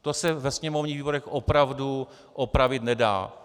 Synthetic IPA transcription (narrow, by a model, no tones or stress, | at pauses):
t̪osɛvɛsɲɛmovɲiːɣviːboɾɛxʔopɾavdu | ʔopɾavɪt̪nɛda̰ː